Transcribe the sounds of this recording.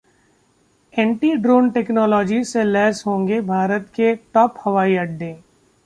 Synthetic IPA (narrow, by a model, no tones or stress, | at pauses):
ɛ̃ːɳʈiːɖɾoːnʈeːknɔːlɔːd͡ʒiselɛːzɦõːŋɡebʱaːɾət̪keʈɔːphɐʋaːiɐɖɖːẽː